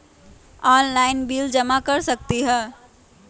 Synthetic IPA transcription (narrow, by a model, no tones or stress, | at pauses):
ɔːnlaːɪnbiːld͡ʒɐmakɐɾsɐk̚t̪iɦɛː